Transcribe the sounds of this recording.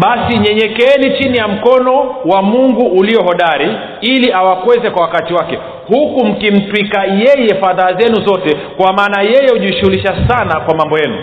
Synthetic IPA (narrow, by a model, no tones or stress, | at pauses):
ɓasiɲɛɲɛkɛnit͡ʃinijam̩kɔnɔwamuŋɡuːliɔɦɔɗaɾi | iliʔawakwɛzɛkwawakatiwakɛ | hukum̩kim̩twikajɛjɛfaðaːzɛnuzɔtɛkwamaːnajɛjɛhuʄiʃuhuliʃasanakwamambɔjɛnṵ